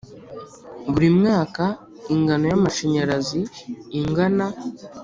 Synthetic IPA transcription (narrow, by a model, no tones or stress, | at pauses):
βuɾimŋaːka | iŋɡano̞jamaʃeɲaɾaziːŋɡana